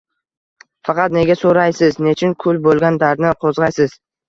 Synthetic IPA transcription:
fɑqʰɑt̪ne̞ɡʲasoɾajsɪzne̞t͡ʃʰɪŋkʰʊlbolˠɡʲand̪aɾd̪nɪqʰozʁɑjsɪz̥

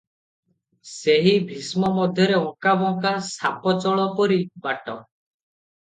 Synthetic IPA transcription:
seɦibʱismɔmɔd̪ʱjɔɾeɔ̃kabɔŋkasapɔt͡ʃɔɭɔpɔɾibaʈɔ

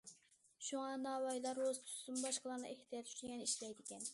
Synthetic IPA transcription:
ʃuŋɑnɑːwɑjlˠɑɾozt̪ʰu̥st̪umbɑʃqlˠɑɾnɨ̰ʔɛkʲt̪ʰijɑt̪ʰy̥t͡ʃɡʲɛniʃlɛjd̪ɪkʲɛn

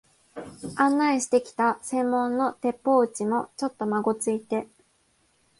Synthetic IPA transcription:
ãnːaiɕi̥t̪e̞kʲi̥t̪asẽ̞mːõ̞nːo̞t̪e̞pːo̞ɯ̟t͡ɕimo̞t͡ɕo̞t̪ːo̞maɡo̞t͡sɨit̪e̞

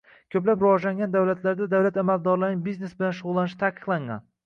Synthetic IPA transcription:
kʲʰɵplapɾɪvɒʒlaŋɡʲand̪awlat̪ʰlaɾd̪ad̪awlat̪amald̪ɒɾlaɾnɪŋbizne̞sbɪlanʃʊʁʊlˠːanɪʃɪ̥t̪ʰaqʰɨ̥qlˠaŋɡa̰n

